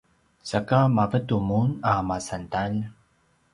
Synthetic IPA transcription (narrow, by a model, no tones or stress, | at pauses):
sakamavət̪umunamasant̪al